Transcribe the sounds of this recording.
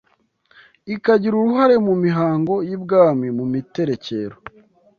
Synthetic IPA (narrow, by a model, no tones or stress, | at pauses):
ikaɟiɾuɾuɦaɾe̞mumiɦaːŋɡo̞jibɡaːmimumite̞ɾe̞ce̞ːɾo